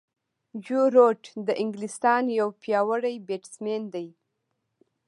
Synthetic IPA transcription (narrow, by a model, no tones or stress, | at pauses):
d͡ʒuɾoʈd̪əʔɪŋɡlɪst̪ɑnjawpjɑwəɽajbeʈsmend̪aj